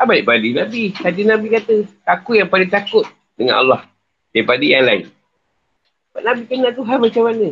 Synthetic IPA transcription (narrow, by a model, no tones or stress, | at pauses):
abaiʔbadinãbisat̪inabikat̪əakujaŋpaliŋt̪akʊt̪̚ | dəŋa̰nʔa̰lːɑh | dapadijaŋlaɪ̰n | baʔnabikənat̪uɦanmat͡ʃamanə